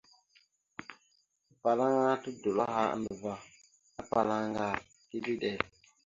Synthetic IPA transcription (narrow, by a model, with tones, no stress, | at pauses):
pa˨la˦ŋa˦tu˦do˨la˦ɦa̰˦˨nə˨va˦ | a˦pa˨la˦ŋ˦ɡa˦˨ | ti˦li˦ɗɛ˨